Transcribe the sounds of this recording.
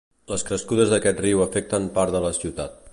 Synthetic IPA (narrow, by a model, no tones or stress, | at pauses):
ləskɾəskuðəzðəkɛt̪riwəfɛk̚t̪əmpaɾðələsiwt̪at̪̚